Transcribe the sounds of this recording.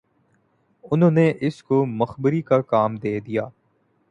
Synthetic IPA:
ʊnɦõːneʔɪskomɐxbəɾikakaːmd̪eːd̪ijaː

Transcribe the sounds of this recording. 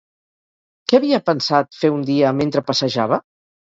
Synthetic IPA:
kɛaβiəpənsat̪feund̪iəment̪ɾəpəsəʒaβ̞ə

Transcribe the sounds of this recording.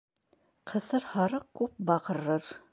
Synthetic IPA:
qʰɤ̆θɤɾhɑɾɤq̚kʉp̚bɑʁɤ̆ɾɤɾ

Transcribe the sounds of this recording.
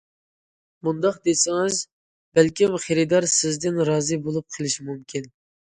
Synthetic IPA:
mund̪ɑqd̪esɪŋɪz | bælkʲimχeɾɪd̪ɑɾsɪzd̪ɪnɾɑːzɨbolˠup̚qʰəlˠɪʃimumkʲʰin

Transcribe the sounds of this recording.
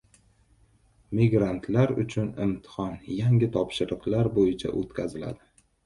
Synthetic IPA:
miɡɾant̪ʰlaɾʊ̰t͡ʃʰʊnɪ̰mt̪ʰɪ̥χɒnjaŋʲɪt̪ʰɒpʃɪɾɨqlaɾbojɪt͡ʃʰa̰ʔot̪kʲʰazɪla̰d̪ɪ

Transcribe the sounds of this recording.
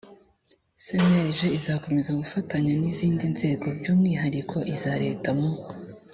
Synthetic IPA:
semeɾʒeizako̞me̞zaɡufataɲaniziːndinze̞ːɡo̞bɟuːmŋiːɦaɾikʰo̞ʔizaɾe̞̰ːtamo

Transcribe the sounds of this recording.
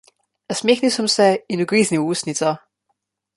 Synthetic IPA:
əsmeːxnisɔmsɛinuɡɾiːzniuːsnit͡sɔ

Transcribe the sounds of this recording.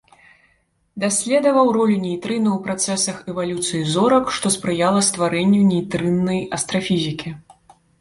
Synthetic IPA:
d̪asʲlʲɛd̪ɐvɐwɾɔlʲunʲejt̪ɾɨnuwpɾat̪sɛsɐxɛvalʲut̪sɨjizɔɾɐkʂt̪ɔspɾɨjalˠɐst̪vaɾɛnʲːunʲɛjt̪ɾɨnːɐjɐst̪ɾɐfʲizʲikʲi

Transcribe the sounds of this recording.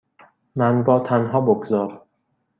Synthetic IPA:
mænbɒːt̪ʰænɦɒːboɡzɒːɾ

